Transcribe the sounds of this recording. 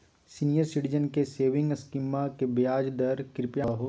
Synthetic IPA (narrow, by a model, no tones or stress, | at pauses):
siːnijəɾsiʈizənkeseːʋɪ̃ŋɡskɪmakebjaːd͡ʒd̪ɐɾkɾɪpjaɦoː